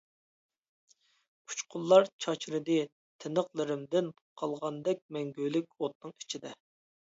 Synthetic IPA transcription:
u̥t͡ʃqʰʊlˠːɑɾt͡ʃʰɑt͡ʃʰɾɨd̪ɨ | t̪ʰɪnəqlˠɨɾɪmd̪ɪn | qʰɑlˠʁɑnd̪ɛk̚ʲmɛŋɡʲølɪk̚ʲot̪̚nɨŋi̥t͡ʃʰid̪ɛ

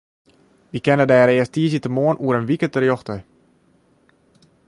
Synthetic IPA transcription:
ʋikɛnədɛɾɪəstiəsiətəmoənʔuəɾənʋikətərjɔxtə

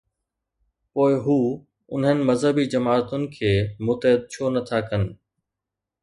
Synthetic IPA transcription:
poːɪɦuː | ʊnɦənɪ̆mɐzɦəbid͡ʑɐmaːɾt̪ʊnɪ̆kʰeːmʊt̪ɦɪd̪̚t͡ɕʰonɐt̪ʰakɐnɪ̆

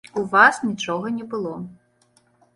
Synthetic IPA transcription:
uvasnʲit͡ʂɔɣɐnʲɛbɨlˠɔ

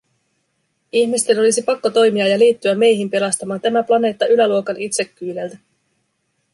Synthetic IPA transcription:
içmist̪e̞no̞lisipɑkːo̞t̪o̞jmiɑjɑliːt̪ːyæmːe̞jɦimpe̞lɑst̪ɑmɑːnt̪æmæplɑne̞ːt̪ːɑʔylæluo̞kɑnit̪se̞kːyːlelt̪æ

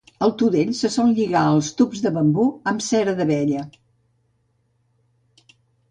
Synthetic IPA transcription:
əlˠt̪uðeʎsəsɔlʎiɣaəlˠst̪upzðəβəmbuəmsɛɾəðəβɛʎə

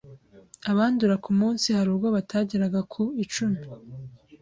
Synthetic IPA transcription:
aβaːnduɾakumuːnsihaɾuːbɡo̞βatʰaːɟiɾaɡakʰuit͡ʃumi

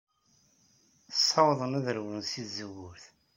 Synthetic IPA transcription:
θəsˤːɑwðˤənæðəɾwənsiθzəwːʊɾθ

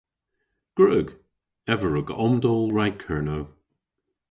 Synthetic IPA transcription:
ɡ̥ɹəːɡ | ɛvəɹʊɡɔmdɔlˠɹajkʰɜːɹnow

